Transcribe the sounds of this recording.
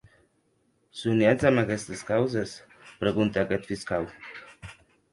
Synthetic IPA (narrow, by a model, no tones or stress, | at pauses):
suniazamakɛst̪eskawzes | pɾeɣunt̪eakɛt̪fiskaw